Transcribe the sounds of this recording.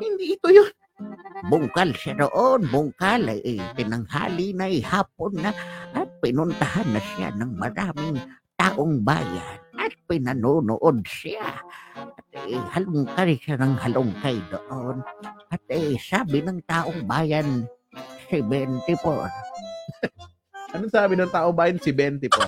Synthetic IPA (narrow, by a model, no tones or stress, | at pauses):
hɪnd̪iʔɪt̪ʊjon | bʊŋkalsɪad̪oʔonbʊŋkalaʔt̪ɪnaŋha̰ːlɪnaʔɪhaːp̚onːaʔːt̪̚pɪnʊnt̪ahanːasɪja̰naŋmaɾaːmɪŋt̪aːʔoŋba̰ːja̰nat̪̚pɪnanunʊ̰ʔod̪̚sɪa̰ʔɐt̪̚hɐlʊŋkajʃanɐŋhɐlʊŋkajd̪o̰ʔonʔɐt̪̚ɛjsaːbɪnɐŋt̪aːʔoŋbaːjansɪbɛnt̪ɪpo̰ɾ | ʔɐnoŋsaːbɪnɐŋt̪aːʔoŋbaːjɐnsɪbɛnt̪ɪpo